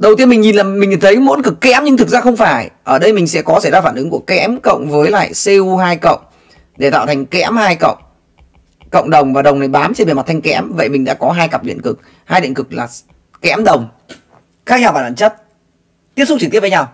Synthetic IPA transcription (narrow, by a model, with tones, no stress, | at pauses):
ɗə˨˩wt̪i˧ənmï˨˩ŋ̟ɲi˨˩nlaː˨˩mi˨˩ŋ̟ɲi˨˩nt̪ʰə˨˦jmo̰˧˥nkɨ˨˩kːɛ̰˧˥mɲɨ˧ŋt̪ʰɨ˨˩k̚zaː˧xə˧wŋ͡mfaː˧˩jʔəː˧˩ɗə˧jmï˨˩ŋ̟sɛ̰˧˥kɔ˨˦sa˧˩jzaː˧faː˧˩nʔɨ˨˦ŋku˧˩əkɛ̰˧˥mkə̰˧˨wŋ͡mvəː˨˦jla̰ː˧˨jsi˧wɦaː˧jkə̰˧˨wŋ͡m | ɗe˧˩t̪a̰ː˧˨wt̪ʰa˨˩ŋkɛ̰˧˥əmhaː˧jkə̰˧˨wŋ͡m | kə̰˧˨wŋ͡mɗə˨˩wŋ͡mvaː˨˩ɗə˨˩wŋ͡mna˨˩jɓaː˨˦mt͡ɕe˧nme˨˩ma˨˩t̪ʰjŋ̟kɛ̰˧˥mvə̰˧˨jmi˨˩ŋɗa̰ː˧˥kɔ˨˦ɦaː˧jka˨˩p̚ɗḭ˧˨ənkɨ˨˩k̚ | haː˧jɗḭ˧˨ənkɨ˨˩k̚laː˨˩ | kɛ˧˥mɗə˨˩wŋ͡m | xaː˦˥k̚ɲaː˧wɓaː˧˩aː˧˩t͡ɕə˦˥t̚ | t̪i˦˥əsʊ˦˥t̚t͡ɕɨ˨˩t̪i˦˥və˨˦ɲa˧˩w